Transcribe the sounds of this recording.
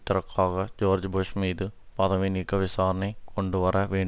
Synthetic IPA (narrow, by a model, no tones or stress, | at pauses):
t̪ːirɐkʰːaːɣɐd͡ʑoːrd͡ʑbʱoʂmiːd̪ɨ | pɐd̪ɐminikːɐʋisaːɾɐɳekoɳɖuʋɐrɐʋeːɳ